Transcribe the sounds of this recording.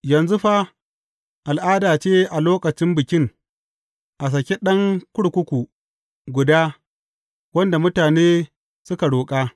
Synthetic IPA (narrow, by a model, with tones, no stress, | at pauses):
jɐ˨nzʊ˦ɸa˦ | ʔa˨lʔaː˦daː˨t͡ʃeː˦ʔa˨loː˦kɐ˨t͡ʃɪ˦mbɪ˨kʲɪ˦ŋ | ʔa˨s̬ɐ˨kʲe˦ɗɐ˦ŋkʷʊ˦ɽkʷʊ˦kʷu˨ | ɡʷʊ˨daː˦ | wɐ˦nda˨mʊ˦taː˨neː˦ | sʊ˦ka˨ɽoː˨kʼaː˦